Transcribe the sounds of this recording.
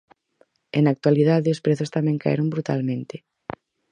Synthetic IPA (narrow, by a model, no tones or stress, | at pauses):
enak̚t̪walið̞aðɪʊspɾeθʊst̪amɛ̃ŋka̰ḛɾombɾut̪a̰lmẽnt̪ɪ